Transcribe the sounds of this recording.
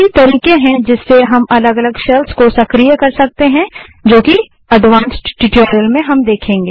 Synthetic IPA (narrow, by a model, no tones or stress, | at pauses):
it̪ɐɾiːkẽɦɛ̃d͡ʒɪsːeɦɐmɐləɡɐləɡʃɛlskosɐkɾijəkɐɾsɐk̚t̪eɦɛ̃d͡ʒoːki | ɐdʱʋãːnsʈʈɪʈoːɾijəlmẽɦɐmd̪eːkʰẽːŋɡeː